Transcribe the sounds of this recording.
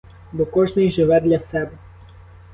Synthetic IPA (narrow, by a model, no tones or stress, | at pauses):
bɔkɔʒnɪjʒɪʋɛd̪lʲɐsɛbɛ